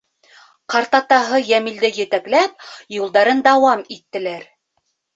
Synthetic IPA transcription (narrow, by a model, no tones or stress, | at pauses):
qɑɾt̪ɑt̪ɑɦɤjæmild̪ɘjɘ̆t̪æklæp̚julˠd̪ɑɾɤnd̪ɑwɑmit̪ːɘ̆læɾ